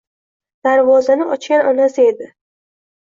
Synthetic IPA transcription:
d̪̥aɾvɒzanɪɒt͡ʃkʲanɒnasɪe̞d̪ɪ

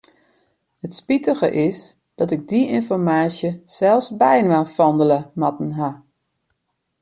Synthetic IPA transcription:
hətspitəɣə̰ʔɪs | d̥ɔtɪɡ̚diʔɪnfɔrmaːsjəsɛlˠfsbɛjnʋafɔndələmatn̩ɦa

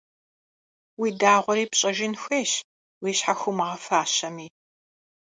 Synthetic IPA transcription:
wiːdaːʁʷɔɾiːpɕʼɐʒɪnxʷeːɕ | wiːɕħaxʷʊmʁɐfaːɕɐmiː

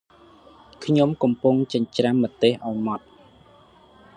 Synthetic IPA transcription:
kʰɲomkɑmpuŋt͡ɕəɲt͡ɕramːət̪ːeːhʔaɔjmɑt̪̚

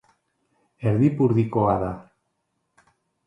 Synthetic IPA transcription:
eɾðipuɾðikoaða

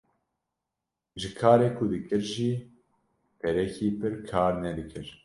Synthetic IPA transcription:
ʒɨkʰaːɾeːkʰʊd̪ɨkɨɾʒiː | pʰɛɾɛkʰiːpɨɾkʰaːɾnɛd̪ɨkɨɾ

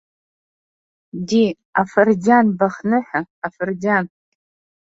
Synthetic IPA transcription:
di | afɨrd͡zanbaχnɨħʷᶣaːfɨrdan

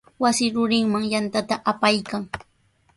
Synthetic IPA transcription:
wasɪɾʊɾɪŋmaŋjant̪at̪aʔapajkaŋ

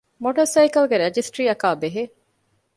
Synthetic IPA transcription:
moʈɐɾsɐjkɐlɡeɾed͡ʒisʈɾiːɐkaːbeɦe

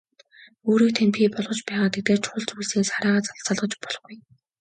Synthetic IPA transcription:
oːɾiːk̚t̪ʰenpʲʰiːpɔɮʁɞ̆t͡ɕpæːʁaːt̪ʰet̪eːrt͡ɕʰʊ̥χʊ̆ɮt͡sujɮseːsχaɾaːʁaːt͡saɮt͡săɮʁə̆t͡ɕpɔ̥ɮχɡuj

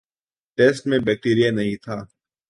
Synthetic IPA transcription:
ʈeːsʈmẽbɛːk̚ʈiːɾijanɐɦĩt̪ʰaː

